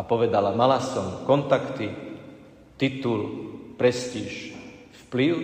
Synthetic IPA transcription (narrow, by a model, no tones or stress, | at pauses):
apɔʋɛd̪alamalasɔmkɔnt̪akt̪i | t̪it̪ulpɾɛsciːʃ | fpli